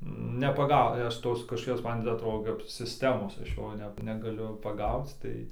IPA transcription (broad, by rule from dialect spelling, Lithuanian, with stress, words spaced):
nʲɛpɐˈɡɐʊ ɪ ˈɐʃ ˈtoːs kɐʃkoːˈkʲoːs ˈmɐn tʲɪ ɐtˈroːdoː kɐp sʲɪsʲˈtʲæːmoːs ˈɐʃ ˈjoː ˈnʲɛ nʲɛɡɐˈlʲʊ pɐˈɡɐʊt͡s ˈtɐɪ